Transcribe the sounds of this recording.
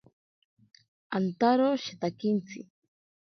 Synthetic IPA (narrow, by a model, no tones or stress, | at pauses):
ant̪aɾoʃet̪akint͡sʰḭ